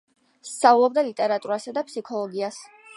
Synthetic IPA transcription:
st̪sʰaulˠɔbd̪alit̪ʼɛɾat̪ʼuɾasad̪apʰsikʰɔlˠɔɡias

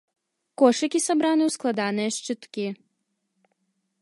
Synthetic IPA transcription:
kɔʃɐkʲisabɾanɨusklˠad̪anɛɛʃt͡ʃɨt̪kʲi

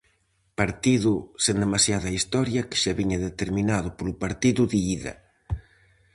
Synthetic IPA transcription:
paɾt̪iðʊsend̪emasjaðɐist̪ɔɾjɐkɪ̥ʃaβiɲɐðet̪eɾminaðʊpolʊpaɾt̪iðʊðiiðɐ̰

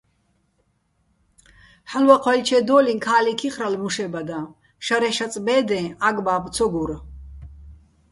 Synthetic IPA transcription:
ħalwaqʰwalt͡ʃʰɛd̪ɔːlinkʰaːlikʰiχɾalmuʃɛbad̪a | ʃaɾɛʃat͡sʼbɛːd̪ɛ̃aɡbaːbt͡sʰɔɡuɾ

